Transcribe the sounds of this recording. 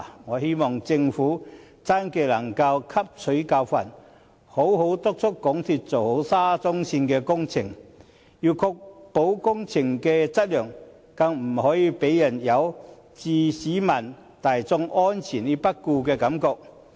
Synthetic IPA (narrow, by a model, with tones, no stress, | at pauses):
ŋɔː˨˧he˥jmɔː˨ŋt͡sɪ˧ŋfuː˨˥ | t͡saː˥nke˧lɐ˨˩ŋkɐ˧wkʰɐ˥p̚t͡sʰɵ˨˥jkaː˧wfɐ̰˨˩n | ho˨˥wɦo˨˥wt̪ʊ˥k̚t͡sʰʊ˥kːɔ˨˥ŋt̪ʰi˧t̚t͡so˨˩who˨˥wsaː˥t͡sʊ˥ŋsiː˧nkɛː˧kʊ˥ŋt͡sʰɪ˨˩ŋ | jiː˧wkʰɔ˧k̚po˨˥wkʊ˥ŋt͡sʰɪ˨˩ŋkɛː˧t͡sɐ˥t̚lœː˨˩ŋ | kɐ˧ŋm̩˨˩hɔː˨˥jiː˧pe˨˥jjɐ˨˩njɐ˨˧w | t͡siː˨˧siː˨˥mɐ˨˩n | t̪aː˨jt͡sʊ˧ŋɔː˥nt͡sʰiː˨˩nliː˥pɐ˥t̚kːuː˧kɛː˧kɐ˨˧˥mkɔː˧k̚